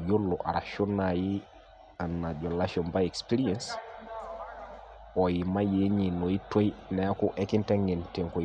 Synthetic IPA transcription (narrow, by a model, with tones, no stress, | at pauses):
d͡ʒo˦lːoʔa̰˨ɾa̰ʃo˦naji˦ | anːa˨d͡ʒo˨lːaʃɔnbaje˨kspi˦ɾiɛns | ɔjima˦jeɲi˨no˨ji˦to˦jnɛ˦ku˦ʔeki˦nte˦ŋɡe˨nte˨ŋko˨